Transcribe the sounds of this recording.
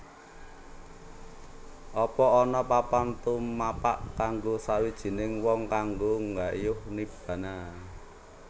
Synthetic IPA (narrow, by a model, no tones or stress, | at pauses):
ʔɔpɔɔnɔpapant̪ummapaʔkaŋɡosawid̥ʒ̥i̤nɪŋwɔŋkaŋɡoŋɡaʔjʊhnib̥ä̤na